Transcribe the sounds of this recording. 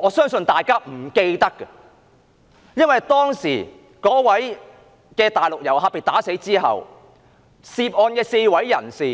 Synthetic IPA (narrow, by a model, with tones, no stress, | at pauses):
ɔː˨˧sœː˥ŋsɵ˧nt̪aː˨jkaː˥m̩˨˩ke˧jt̪ɐ˥kːɐ˧ | jɐ˥nwɐ˨jt̪ɔː˥ŋsiː˨˩ | kɔː˨˥wɐ˨˥j | kɛː˧t̪aː˨jlʊ˨k̚jɐ˨˩whaː˧pe˨˩jt̪aː˨˥se˨˥jt͡siː˥ɦɐ̰˨w | siː˧p̚ɔː˧nkɛː˧se˧jwɐ˨˥jːɐ̰˨˩nsiː˨˩